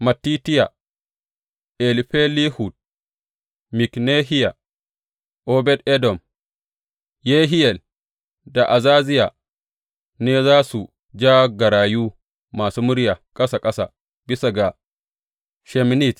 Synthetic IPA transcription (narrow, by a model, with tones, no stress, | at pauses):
ma˨tːi˦ti˦ja˨ | ʔɛ˨lɸe˦li˦hu˨d̚ | mi˨kne˦ɦi˦ja˨ | ʔɔ˦bɛ˦dɛ˦dɔ˨m | je˦ɦi˦jɛ˨l | da˨ʔa˨zaː˦zi˦ja˨ | ne˦zaː˦su˨ | d͡ʒaː˦ɡɐ˨ɾaː˨juː˦ | maː˨su˦mu˦ɾja˨kʼɐ˦sa˨kʼɐ˦sa˨ | bi˦sa˨ɡa˨ | ʃɛ˨m˦ni˦˨t